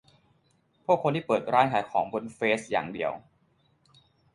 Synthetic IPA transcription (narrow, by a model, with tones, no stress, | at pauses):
pʰu˥˩əkʰːo˧nt̪ʰiː˥˩pɤː˨˩t̪̚ɾaː˦˥nkʰaː˨˩jkʰɔː˩˦ŋbo˧nfeː˦˥sja̰ː˨˩ŋdi˧əw